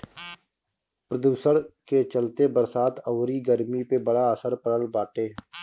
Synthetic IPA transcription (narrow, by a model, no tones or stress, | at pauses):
pɾəd̪uːsəɾket͡ʃəlt̪ebəɾsaːt̪ʰəːɾiɡəɾmipebəɽaəsəɾpəɽəlbaːʈeː